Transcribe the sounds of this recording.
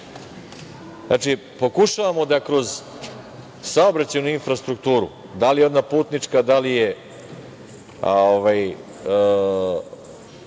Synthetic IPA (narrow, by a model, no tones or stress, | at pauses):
zaːt͡ʂi | po̞kuʃaʋamo̞d̪akɾo̞z | saobɾat͡ɕajunuinfɾast̪ɾukt̪uːɾṵ | d̪alijeo̞d̪napuːt̪nit͡ʂkad̪alije̞ | oʋaj